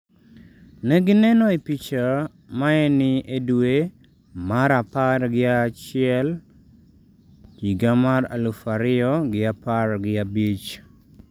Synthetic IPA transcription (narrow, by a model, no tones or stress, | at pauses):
nɛɡɪnɛnoipit͡ʃa | maɛnɪʔedwe | maɾaparɡɪat͡ʃɪɛl | t͡ʃiɡamaɾa̰lufaɾɪɔɡɪaparɡɪabit͡ʃ